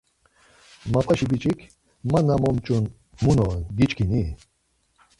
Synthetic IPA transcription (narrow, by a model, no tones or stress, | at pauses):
mapʼaʃibit͡ʃʼikʰ | manamɔmt͡ʃʼun | munɔnɡit͡ʃkʰini